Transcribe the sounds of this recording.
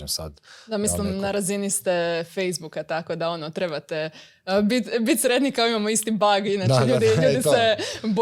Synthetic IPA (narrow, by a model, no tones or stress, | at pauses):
msa̰d̪d̪amislimnaɾazinist̪efe̞jzbukat̪ako̞d̪ao̞not̪ɾe̞bat̪e | bit̪bit̪ʲsɾet̪nikaoimamoist̪ibaɡinat͡ʃeʎuːd̪iuːd̪iseb